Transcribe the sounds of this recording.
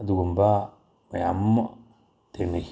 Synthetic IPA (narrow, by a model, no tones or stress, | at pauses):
duɡumba | majam | teni